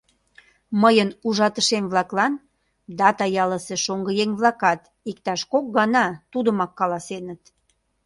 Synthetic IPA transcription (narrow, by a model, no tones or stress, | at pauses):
məjənuʒɑt̪əʃemβlɑklɑn | d̪ɑt̪ɑjɑləseʃoŋɡəjeŋβlɑkɑt̪ | ikt̪ɑʃkok̚ɡɑnɑt̪ud̪əmɑkːɑlɑsenət̪